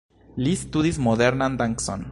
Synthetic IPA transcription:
list̪uðismoðeɾnand̪aŋkso̰n

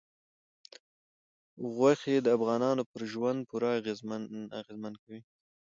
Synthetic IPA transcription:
ɣwaxeed̪əafɣɑnɑnopəɾʒwand̪̚puɾaːɣezaɣezmankawi

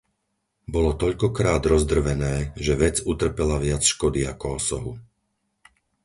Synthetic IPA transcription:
bɔlɔt̪ɔʎkɔkɾaːd̪ɾɔzd̪r̩ʋɛnɛːʒɛʋɛd͡zut̪r̩pɛlaʋɪat͡sʃkɔd̪iakɔɔsɔɦu

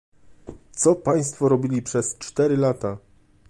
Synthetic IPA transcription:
t̪sɔpaj̃st̪fɔɾɔbʲilʲipʂɛst͡ʂt̪ɛɾɘlat̪a

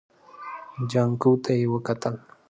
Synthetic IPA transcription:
d͡ʒaŋkʊwt̪ajwakat̪al

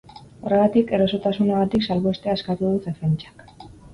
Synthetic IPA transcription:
o̞re̞ɣ̞at̪ike̞ɾoso̞t̪asuneɣ̞at̪iksalβoest̪easkat̪uðusefent͡ʃḁk

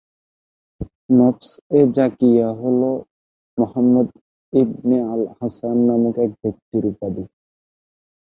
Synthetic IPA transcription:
nɔpsɛd͡ʒakijaɦolo | mɔhamːəd̪ | ib̚nialhasanːamukɛk̚bɔk̚t̪iɾupad̪i

